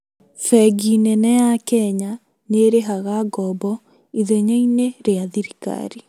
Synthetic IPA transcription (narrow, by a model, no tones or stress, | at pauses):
fɛɡinɛnɛjakɛɲa | neɾeɦaɣaɡɔbɔ | iðeɲeineɾeaðiɾika̰ɾi